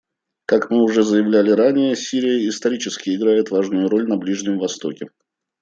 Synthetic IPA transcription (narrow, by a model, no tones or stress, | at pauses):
kakmɨʊʐɛzəjɪvlʲælʲɪɾanʲɪjəsʲiɾʲɪjəɪst̪ɐɾʲit͡ɕɪskʲɪɪɡɾajɪt̪vaʐnʊjʊɾo̞lʲnɐblʲiʐnʲɪmvɐst̪o̞kʲɪ